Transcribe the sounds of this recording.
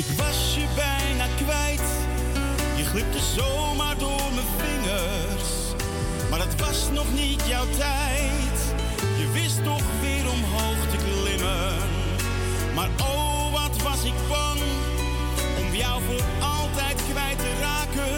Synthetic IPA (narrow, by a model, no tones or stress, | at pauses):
ɪkvas | əbɛɪnakvɛɪt | jəχlˠɪp̚təzoː | maːɾdoːɾməfɪŋə | ɾs | maɾətvasnɔχnɪtjawtɛ | ɪ | t | jəvɪstʊχviːɾʊmɦolftəklɪmə | n | maɾo | vatvasɪkbaŋ | ʊmvjaʊvɪl | alˠtɛɪtkvɛɪtəɾakə